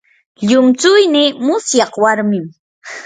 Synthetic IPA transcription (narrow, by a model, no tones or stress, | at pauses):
ʎʊmt͡sʊjnɪmʊsjɑχwaɾmɪm